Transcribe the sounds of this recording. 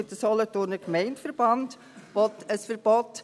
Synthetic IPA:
təsɔlɔtʊɾnəkmɛɪntfəɾb̥ɑnd | ʋɔtəsfəɾb̥ɔt

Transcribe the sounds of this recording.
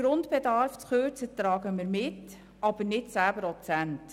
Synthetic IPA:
ɾʊndbɛdɑɾft͡sχøːɾt͡sət̪ɾɑːɡəmɪːɾmɪt | ɑb̥ənɪtt͡sæːbəɾɔt͡sænt

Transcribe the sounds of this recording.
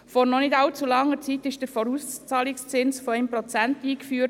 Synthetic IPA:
fɔɾnɔnɪdɑlt͡sulɑŋːət͡sitɪʃd̥əɾfɔɾuːst͡sɑːlɪkst͡sɪnsfɔɛmpɾɔt͡sæntiːkfyːəɾ

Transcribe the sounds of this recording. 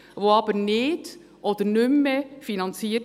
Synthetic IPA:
voɑbənɪːd̥ | ʔɔd̪əɾnʏmːəfinɑnt͡si

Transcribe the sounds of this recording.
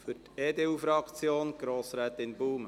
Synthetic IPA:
fʏteːd̪eːufɾɑkt͡sjoːnɡ̥ɾoːsɾæːt̪ɪnbuːm

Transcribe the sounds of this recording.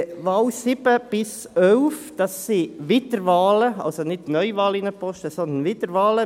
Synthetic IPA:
ʋɑːlsɪb̥əb̥ɪs | œlfd̥ɑsːiʋɪtəɾʋɑːləɑ̰lsonɪtnœʏvɑːlɪnəpɔʃtəsɔnd̪ənʋɪtəɾʋɑːlə

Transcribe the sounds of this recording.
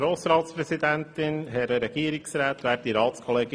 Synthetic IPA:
ɾoːsɾɑːt̪spɾɛsid̪ænt̪ɪnɦɛɾəɾɛɡ̥iːɾɪksɾæːt̪ʋæːɾ̚diɾɑːt̪skʰɔleːɡ

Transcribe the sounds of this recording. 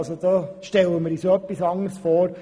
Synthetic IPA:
sod̥̪ɑːʃtɛlːəməɾisoœpːisɑŋəɾsfoːɾ

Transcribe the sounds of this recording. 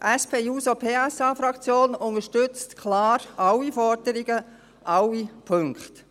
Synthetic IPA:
ʔɛspʰeːjuːsopʰeːɛsɑːfɾɑkt͡sjoːnʊŋəʃtʏt͡stkʰlɑːɾʔɑwifɔɾdəɾiɡ̥ə | ʔɑwːipʰøŋkχt

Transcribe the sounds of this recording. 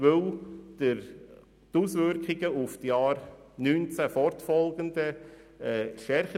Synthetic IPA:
ʋɵld̥ə | t̪usʋʏɾkχɪɡəʊftjɑːɾ | nyːnt͡sæfɔɾtfɔlˠɡənd̪ə | ɛːʃtɛɾχə

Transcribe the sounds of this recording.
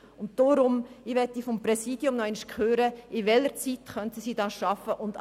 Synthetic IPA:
ʊnt̚d̥oɾʊmɪʋɛtːifɔmpɾɛsiːdjʊmnɔɛɪnʃkχøːɾəɪʋɛlːəɾt͡sit̪χœntəsiːdɑːʃɑfəʔʊnd

